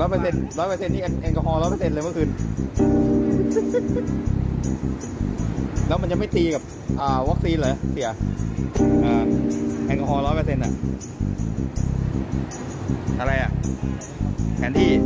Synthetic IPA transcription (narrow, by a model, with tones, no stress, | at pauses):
lɔː˦˥jpʰɤː˧se˧nɾɔː˦˥jpɤː˧se˧nːiː˥˩ʔa˧nʔɛ˧nkɔ˧ɦɔː˧lɔː˦˥jpʰɤ˧se˧nlːm˥˩kʰɯː˧n | lɛː˦˥wma˧nt͡ɕa˧˨ma˥˩jt̪iː˧ka˨˩p̚ | ʔaː˨˩wa˦˥k̚siː˧nlɤː˨˧˦si˨˩˦ɐ˦ | ʔɤː˧ʔɛ˧nkɔ˧hɔː˧lɔː˦˥jpʰɤː˧se˧nʔa̰˨˩ʔ | a˧ɾa˧jʔa˨˩ʔ | kʰɛː˧˦nt̪ʰiː˥˩